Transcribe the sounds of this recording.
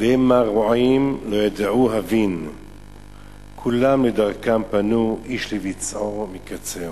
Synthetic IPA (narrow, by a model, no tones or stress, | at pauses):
demaʁuaimlojad̪ʕuɦavin | kʰulamled̪aʁkampanuʔiʃlevit͡sʔoʁmikat͡se